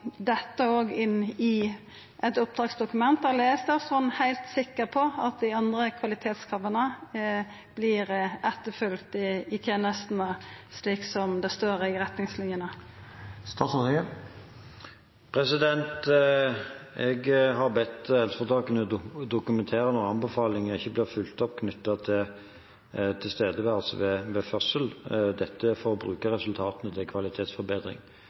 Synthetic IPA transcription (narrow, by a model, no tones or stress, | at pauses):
d̪ɛt̪ːəoːɡɪnːɪ | ʔɛt̪ʊp̚d̪ʁɑːɡsd̪ʊkʉmɛnt̪əleːst̪əsɔnhæɪlt̪sɪkːəʁpʰɔɑt̪̚d̪ɪɑnd̪ʁəkʰʋɑlɪt̪ʰeːt̪skʰɑʋənə | b̥lɪʁɛt̪ːəfʏlkt̪ɪɪt̪ʰjeːnəst̪n̩əsliːksɔmd̪ɛst̪oːʁəɪʁɛt̪nɪŋslɪnjənə | st̪ɑːsɔ | pʰɾɛsɪd̪ɛnt̪ | ɛɡɦɑɾbɛt̪ːɛlsfɔt̪ʰɑːkənəd̪ʊkʉmɛnt̪ʰeːɾənɔʁɑnbəfɑːlɪŋɪçːəblɪʁfʉlt̪ɔpːkʰnʏt̪ːɑt̪ʰɪ | t̪ʰɪlst̪eːd̪əʋɛɑlsɔ̰ʋɛʋɛfœsəld̪ɛt̪ʰːəfɔɾɔbɾʉːkəɾɛsʉlt̪ʰɑːt̪ənət̪ʰɪkʰʋɑlɪt̪ʰeːt̪sfɔɾbeːd̪ɾɪ̰ŋ